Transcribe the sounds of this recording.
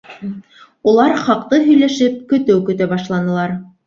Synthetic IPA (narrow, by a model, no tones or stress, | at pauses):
ulˠɑɾχɑqt̪ɤɦɵ̆jlæʃɘp̚kɵ̆t̪ɘwkɵ̆t̪æbɑʃlˠɑnɤ̆lˠɑɾ